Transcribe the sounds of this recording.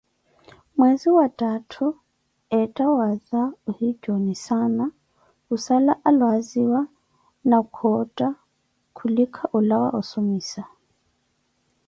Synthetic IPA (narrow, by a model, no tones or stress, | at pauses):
mwɛziwatʼatʰu | ɛtʼawaðauhid͡ʒɔnisana | usalaʔalwaziwa | nakʰɔtʼa | kʰulikʰaʔulawa̰ʔusumiːsa